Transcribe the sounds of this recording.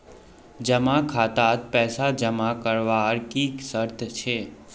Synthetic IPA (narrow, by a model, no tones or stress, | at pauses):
d͡ʒəmakʰaːt̪at̪̚pɛːsad͡ʒəmakəɾʋaɾkiːksəɾt̪ʰt͡ʃʰeː